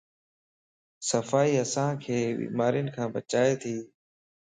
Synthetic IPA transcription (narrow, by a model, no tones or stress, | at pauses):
səfaːiːəsãːkʰeːbḭːmaːɾijənɪkʰãːbət͡ʃaːeːt̪ʰiː